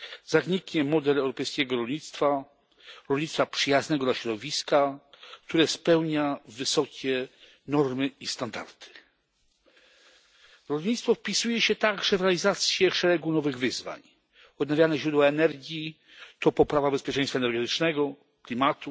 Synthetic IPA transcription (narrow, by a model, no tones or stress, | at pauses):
zaɣɲikɲɛmɔd̪ɛlɛwɾɔpɛjskʲɛɡɔɾɔlɲit̪st̪fa | ɾɔlɲit̪st̪fapʂɘjaznɛɡɔd̪laɕɾɔd̪ɔvʲiska | kt̪uɾɛspɛwɲavɘsɔkʲɛ | nɔɾmɘist̪and̪a̰ɾt̪ʰɘ̥ | ɾɔlɲit̪st̪fɔfpʲisujɛɕɛt̪aɡʐɛvɾɛalʲizat̪sʲjɛʂɛɾɛɡunɔvɘɣvɘzva̰ɲ | ɔd̪̚navʲjanɛʑɾud̪waɛnɛɾɡʲi | t̪ɔpɔpɾavabɛspʲjɛt͡ʂɛ̃jst̪faɛnɛɾɡɛt̪ɘt͡ʂnɛɡɔ | klʲimat̪u